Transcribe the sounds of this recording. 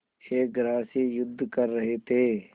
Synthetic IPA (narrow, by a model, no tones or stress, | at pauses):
eːɡɾaːsiːjʊd̪ʱːkəɾːəɦet̪ʰeː